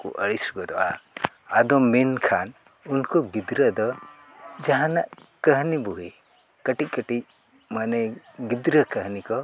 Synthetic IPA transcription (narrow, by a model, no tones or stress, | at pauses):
kṵʔə̰ɽisɡɔd̪ɔʔa̰ | ad̪ɔminkʰan | unkɔɡid̪ɾəd̪ɔ | d͡ʒaɦãnaʔkəɦnibuɦi | kəʈic̚kəʈic̚ | manɛ | ɡid̪ɾəkəɦnikɔ